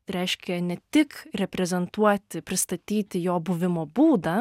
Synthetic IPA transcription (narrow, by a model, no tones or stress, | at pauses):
ɾʲɛɪʃʲkʲɛnʲɛt̪ʲɪkɾʲɛpʲɾʲɛzʲɛnt̪uɔt̪ʲɪpʲɾʲɪst̪ɐt̪ʲiːt̪ʲɪjoːbʊʋʲɪmoːbuːd̪ɐ